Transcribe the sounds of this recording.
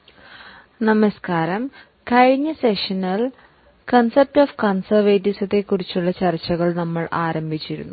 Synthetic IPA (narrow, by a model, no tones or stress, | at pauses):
nɐmɐskaːɾɐm | kɐɻiɲːɐseʂɐnɐl | kɐnsɐp̚tofkɐnsɐrʋeːtisɐt̪ːe̞kːurit͡ɕːuɭːɐt͡ɕɐrt͡ɕːɐɣɐɭnɐmːɐɭʔaːɾɐmbʱit͡ɕːiɾṵnːu